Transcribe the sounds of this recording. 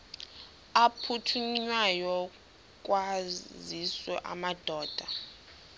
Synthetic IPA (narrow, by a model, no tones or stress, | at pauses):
apʰutʰuɲwajɔ | k̬ʼwaziswɛ̰ʔa̰mad̥ʱɔːd̥ʱa